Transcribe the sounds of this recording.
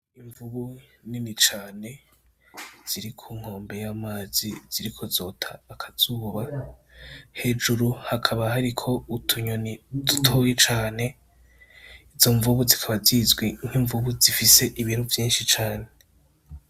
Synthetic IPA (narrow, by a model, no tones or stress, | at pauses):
iɱvuβuninit͡ʃaːne̞ | z̥iɾikʰuːŋ̥ho̞ːmbe̞jamaːziz̥iɾikʰo̞zo̞tʰaːkʰaz̥uːβa | he̞d͡ʒuɾuhakʰaβahaɾikʰo̞utʰuɲonidutʰo̞jet͡ʃaːne̞ | izo̞ɱvuβuzikʰaβazizɡwiŋ̥hiɱvuβuzifise̞ʔiβiɾuvjiːnʃit͡ʃaːne̞